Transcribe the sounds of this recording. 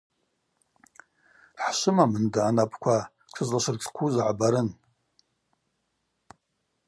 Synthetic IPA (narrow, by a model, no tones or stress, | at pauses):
ħʃʷɨmamɨndaːnapʰʼkʷʰa | kʷʰɨzlaʃʷɨrɡʲkʷʰuzʕabaɾɨn